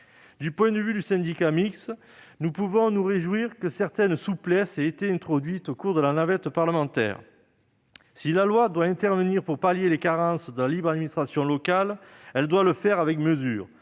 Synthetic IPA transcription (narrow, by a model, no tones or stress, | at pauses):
d̪ypwɛ̃d̪əvyd̪ysɛ̃d̪ikamiks | nupuvɔ̃nuʁeʒwiʁkəsɛʁt̪ɛnsuplɛseet̪eɛ̃t̪χɔd̪ɥit̪okuʁd̪əlanavɛt̪paʁləmɑ̃t̪ɛ̰ːʁ | silalwad̪waɛ̃t̪ɛʁvəniʁpuʁpaljelekaʁɑ̃sd̪əlalibʁad̪minist̪χasjɔ̃lɔkalɛld̪waləfɛʁavɛkməzyːʁ